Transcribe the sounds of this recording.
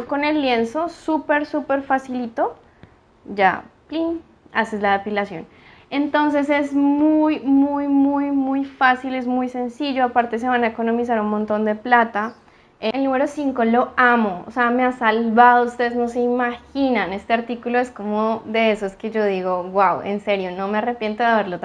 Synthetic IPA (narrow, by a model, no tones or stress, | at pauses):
ko̞ne̞lːje̞nso̞supe̞ɾsupe̞ɾfasilit̪o̞ | ɟ͡ʝa̰plin | ase̞zlaðepilasjo̞̰n | e̞nt̪o̞ns̬e̞s̬e̞zmujmujmujmujfasile̞zmujse̞nsiʝo̞apaɾt̪e̞s̬e̞βanaeko̞nõ̞mis̬aɾunmõnt̪o̞nd̪e̞plat̪a | elnume̞ɾo̞siŋko̞lo̞amoo̰se̞ame̞asalβaðoust̪e̞ðezno̞se̞imaxinane̞st̪e̞aɾt̪ikulo̞e̞sko̞moðe̞esoeske̞ʝo̞ðiɣo̞ɣwawe̞̰nse̞ɾjo̞no̞meare̞pje̞nt̪oðeaβe̞ɾlot̪